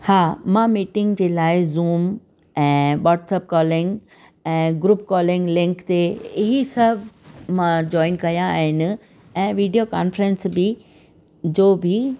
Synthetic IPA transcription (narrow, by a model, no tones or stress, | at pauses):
haːmãːmiːʈɪ̃ŋɡd͡ʑeːlaːɪzuːm | ɛ̃ːʋaːʈsəp̚kɔːlɪ̃ŋɡ | ɛ̃ːɡɾuːp̚kɔːlɪ̃ŋɡlɪ̃ŋkt̪eɪɦisɐbʱmãd͡ʑɔːɪnkɐjãa̰ːɦɪnɪ̆ | ɛ̃ːʋiːɖijoka̰ːnfɾənsbɪ | d͡ʑoːbʱɪ